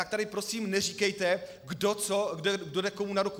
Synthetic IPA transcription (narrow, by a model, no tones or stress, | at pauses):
t̪ak̚t̪adɪpɾo̞siːmnɛr̝iːkɛjt̪ɛ | ɡdot͡soɡdɛɡdodɛko̞munaɾuku